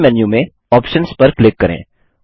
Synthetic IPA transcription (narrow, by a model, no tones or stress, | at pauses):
mɛːnjũmẽ | ɔːpʃənspɐɾklɪkːɐɾḛ̃ː